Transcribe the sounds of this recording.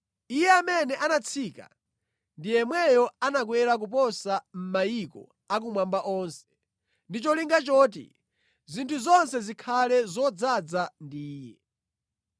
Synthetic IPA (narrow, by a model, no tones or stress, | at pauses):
ijɛamɛnɛʔanat͡sʰika̰ | ndijɛmwɛjɔanak̬wɛɾak̬upɔsam̩majikɔ̰ | ak̬umwambaʔɔːnsɛ̥ | ndit͡ʃɔliŋɡat͡ʃɔːt̬ḭ | zintʰuzɔnsɛzikʰalɛzɔd͡zad͡zandiːjɛ